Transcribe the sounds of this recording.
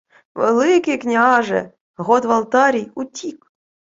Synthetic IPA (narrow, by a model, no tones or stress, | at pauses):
və̰lɨkʲeknʲeɑʒḛ | ɣot̪vɑlˠt̪ɑɾʲijut̪ʲːik